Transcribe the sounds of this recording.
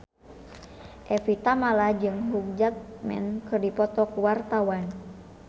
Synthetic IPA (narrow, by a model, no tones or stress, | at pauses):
ʔɛfit̪amalad͡ʒɨŋɦuk̚d͡ʒat̪̚mɛ̰nkɨrdipɔt̪ɔkuwart̪awan